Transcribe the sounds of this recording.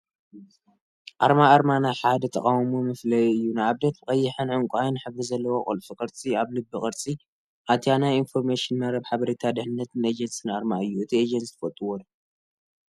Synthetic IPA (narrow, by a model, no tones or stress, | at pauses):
ʔaɾmaːɾmanajħad̪ɐt̪ʰɐkʼawmumɨflɐjɨjːunajaβd̪et̪bɨkʼɐjːɪħɨnʕɨŋkʷʼuajnħɨβɾɨzɐlːɐwokʼo̰lfikʼɨɾt͡sʼiaβlɨbːɨkʼɐɾt͡sʼi | ʔat̪ʰjanajinfo̞ɾmeʃɪnːaɾɐbħaβɐɾet̪ʰad̪ɨħnɨnːɐt̪ned͡ʒɐnsʼinaɾmaɨjːuɨt̪ʰied͡ʒɐnsi̥fɐt̪ʼːɨwol